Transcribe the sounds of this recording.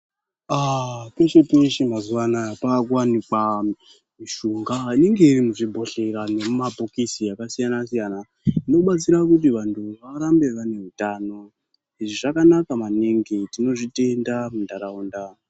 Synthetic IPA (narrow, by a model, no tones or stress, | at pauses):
akeʃepeʃimazuwanapakuwanikwa | miʃuːŋɡaine̞ŋɡe̞irimuʐibʱo̞ɬe̞ɾane̞mumabʱokisiakasijanasijana | ino̞ɓat͡siɾakut̬iʋantʰuʋaɾambe̞ʋane̞ɦutaːno̞ | iʐiʐakanakamaneŋɡetino̞ʐite̞ndamundaɾauːnda